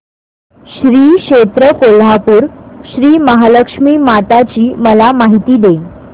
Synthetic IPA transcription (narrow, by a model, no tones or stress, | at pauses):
ɕɾiːɕet̪ɾəkolɦapuːɾɕɾiːməɦaləkʂmiːmat̪at͡ɕiːməlamaɦit̪iːd̪e